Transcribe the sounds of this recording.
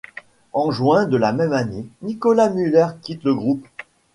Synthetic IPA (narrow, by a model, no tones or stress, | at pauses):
ɑ̃ʒwɛ̃d̪əlamɛmanenikɔlamylɛʁkʲit̪ləɡʁup